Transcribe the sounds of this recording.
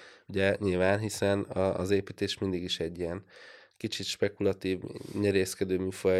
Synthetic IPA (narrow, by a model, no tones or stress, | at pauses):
uɟɛɲilvaːnɦisɛnɒ̰ːzeːpiːt̪eːʃmind̪iɡiʃɛɟːijɛnkit͡ʃit̪ʃpɛkulɒt̪iːvɲɛɾeːskɛd̪øːmifo